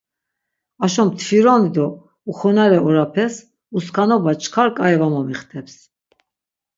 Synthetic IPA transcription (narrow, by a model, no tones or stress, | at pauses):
aʃɔmt̪ʰfiɾɔnid̪ɔ | uχɔnaɾɛɔɾapʰɛs | uskʰanɔbat͡ʃʰkʰaɾkʼaɛvamɔmiχt̪ʰɛps